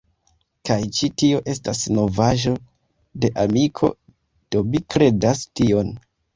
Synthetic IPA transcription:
kajt͡ʃitio̞ʔe̞stasno̞vaʒo̞ | de̞ʔamikʰo̞̰ | d̥o̞mikɾe̞dastio̞n

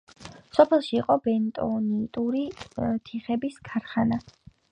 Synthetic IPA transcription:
sɔpʰɛlˠʃiːqʼɔbɛnt̪ʼɔnit̪ʼuɾit̪ʰiχɛbiskʰaɾχana

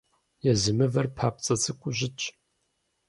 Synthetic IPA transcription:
jɛzɨmɨvɐrpʰaːp̚t͡sʼɐt͡sʰʼɨkʷʼʊʑɪt͡ʃʼ

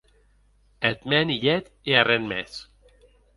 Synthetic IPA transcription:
et̪mɛniʎɛt̪ | earenmɛ̰s

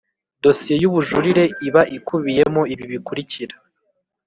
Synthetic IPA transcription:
do̞sije̞juβuʒuɾiɾe̞iβaʔikuβije̞moiβiβikuɾiciɾḁ

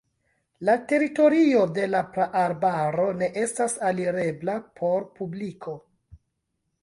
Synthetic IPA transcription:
late̞ɾito̞ɾio̞de̞lapɾaʔaɾbaɾo̞ne̞ʔe̞stasaliɾe̞blapʰo̞ɾpublikʰo̞

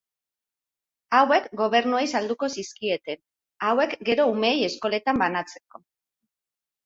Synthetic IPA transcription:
awe̞kɡo̞β̞e̞ɾnuejsald̪uko̞siskie̞t̪e̞n | awe̞kɡe̞ɾo̞ume̞je̞sko̞le̞t̪ambanat͡se̞̥ko̞

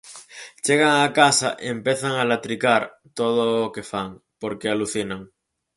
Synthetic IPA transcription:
t͡ʃeɣ̞aŋakasa̰ʔempeθaŋalat̪ɾikaɾ | t̪oð̞ookefaŋpoɾkealuθinaŋ

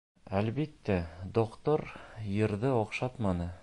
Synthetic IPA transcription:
ælbit̪ːæd̪oqt̪oɾjɤ̆ɾðɤɒqʃɑt̪mɑnɤ

